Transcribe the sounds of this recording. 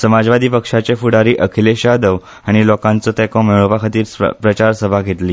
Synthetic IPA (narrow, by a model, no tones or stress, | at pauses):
səmad͡zʋad̪ʱiːpəkʂat͡ɕefuɽaɾiːʔəkʰileɕad̪əʋ | aɽ̃ilɔkãnt͡sɔt̪ɛkõmeɭ̃opakʰət̪iːɾ̰pɾət͡ɕaɾsəbʱaɡʱet̪liː